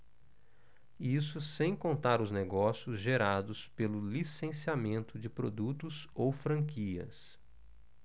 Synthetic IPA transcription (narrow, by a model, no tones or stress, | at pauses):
isʊsẽj̃kõnt̪aɾʊzneɡɔsiʊzʒeɾad̪ʊspelʊlisẽsiamẽnt̪ʊd͡ʒɪpɾod̪ut̪ʊzowfɾɐ̃ŋkiɐ̰s